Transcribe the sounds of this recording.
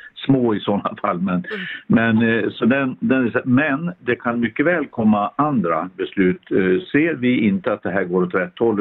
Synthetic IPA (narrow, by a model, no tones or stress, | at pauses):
smoːɪsɔnːa̰fa̰lːmɛnmɛnsɔd̪ɛnd̪ɛnæsamɛnd̪ɛkʰanmʏkːəvɛːlkʰɔmːaand̪ɾabɛslʉ̟ːt̪seːɾvɪɪnt̪əat̪̚d̪ɛɦæːɾɡoːɾɔt̪ʰɾɛt̪ʰːɔlː